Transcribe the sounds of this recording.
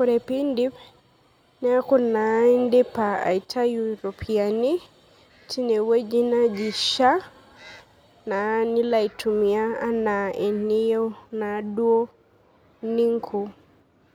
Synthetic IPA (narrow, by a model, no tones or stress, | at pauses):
kuɾepindi | niakunaɛndɛpaa̰itʰajuɾopʰiani | tinɛwed͡ʒinad͡ʒiʃa | nanilaitumiaːnaɛnijonaduɔ | niŋkʰu